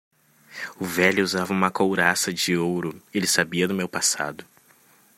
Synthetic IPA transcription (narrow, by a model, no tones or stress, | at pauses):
ʊvɛʎʊuzavɐũmɐkowɾasɐd͡ʒɪowɾʊelɪsabiɐd̪ʊmewpasa̰d̪ʊ